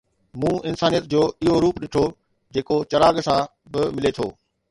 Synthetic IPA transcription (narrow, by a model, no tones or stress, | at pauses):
mũːɪnsaːnijət̪̚d͡ʑoːɪɦoɾuːpɗɪʈʰo | d͡ʑeːkot͡ɕɐɾaːɡsã | bɪmɪlet̪ʰo̰ː